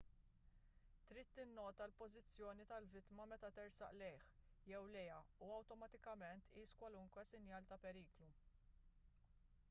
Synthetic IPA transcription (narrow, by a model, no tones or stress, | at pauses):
t̪ɾiːt̪ːɪnːɔːt̪ɐlpɔzɪt͡sːjɔːnit̪ɐlvɪt̪mɐmɛt̪ɐt̪ɪɾsɐ̰ʔlɛjħjɛwlɛjɐuɐwt̪ɔmɐt̪ɪkɐmɛnt̪ːiːskwɐlʊŋkwɛsɪnjɐːlt̪ɐpɛɾiːklu